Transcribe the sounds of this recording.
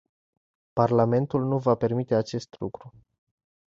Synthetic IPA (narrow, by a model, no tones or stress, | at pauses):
parlame̞nt̪ulnuvape̞rmit̪e̞at͡ʃe̞st̪lṵkɾu